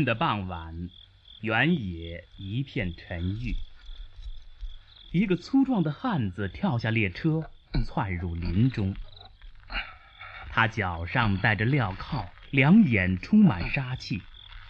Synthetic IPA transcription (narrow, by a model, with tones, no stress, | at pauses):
nd̪ə˨pɑ˥˩ŋwa˨˩˦n | ja˧˥njɛ˨˩˦i˧˥pʰjɛ˥˩nʈ͡ʂʰə˧˥ny˥˩ | i˧˥ɡə˧t͡sʰu˥ʈ͡ʂwɑ˥˩ŋd̪ə˩xa˥˩nd͡zɹ̩˩t̪ʰjɑ˥˧ʊɕja˥˧ljɛ˥˩ʈ͡ʂʰɤ˥t͡sʰwa˥˧nɻu˥˩li˧˥nʈ͡ʂʊ˥ŋ | t̪ʰa˥t͡ɕjɑ˨˩ʊʂɑ˥˧ŋt̪a˥˩ɪʈ͡ʂə˩ljɑ˥˩ʊkʰɑ˥˩ʊljɑ˧˥ŋjɛ˨˩nʈ͡ʂʰʊ˥ŋma˨˩nʂa˥t͡ɕʰi˥˩